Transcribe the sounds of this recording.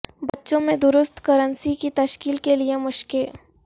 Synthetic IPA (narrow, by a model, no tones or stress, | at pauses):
bɐtːʃõmẽd̪ʊɾʊst̪kɐɾənsikit̪ɐʃkiːlkeliemʊʃkɪl